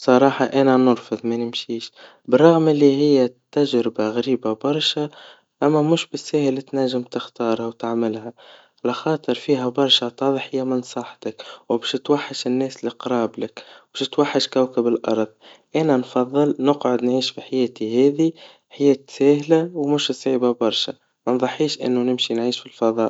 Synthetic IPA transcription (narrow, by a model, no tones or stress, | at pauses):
sˤɑɾˤɑːħɑʔænænʊɾˤfʊðˤmænɪmʃiːʃ | bərˤːɑɣmɪlːiɦɪjːæt̪ːæʒɾɪbaɣɾiːbabɑɾˤʃa | ʔæmːæmuːʃbɪsːæːhəlt̪næʒːɪmt̪ɪxt̪ɑːɾˤhawt̪aʕmɪlhæ | ʕalæxɑːt̪ˤɨɾˤfiːɦæbɑɾˤʃɑt̪ˤɑðˤħhɪjːæmɪnsˤɑħt̪ɪkwbɛːʃt̪waħːaʃɪnːɛːsliqɾˤɑːblɪkbɛːʃt̪waħːaʃkawkabɪlʔɑ̰ɾˤðˤʔænænfɑðˤːɨlnʊqʕʊd̪nʕiːʃfiħajɛːt̪ihɛːði | ħajɛːt̪sæːhlawmʊʃsˤʕiːbabɑɾˤʃa̰ | mænðˤɑħːiːʃʔɪ̰nːunɪmʃinʕiːʃfilfɑðˤɑːʔ